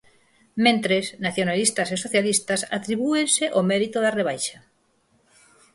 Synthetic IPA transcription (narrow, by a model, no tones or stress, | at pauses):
mẽnt̪ɾesnaθjonalist̪asesoθjalist̪asa̰t̪ɾiβuenseʔomeɾit̪oðareβ̞ajʃa